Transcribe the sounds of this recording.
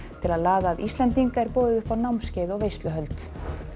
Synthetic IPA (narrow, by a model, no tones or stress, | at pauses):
t̪ʰɪlaðlaːðaːðist̪lɛnt̪iŋkaɛɾpɔːðʏðʏfawnawmscɪðɔɣvejst̪lʏɦœlt̪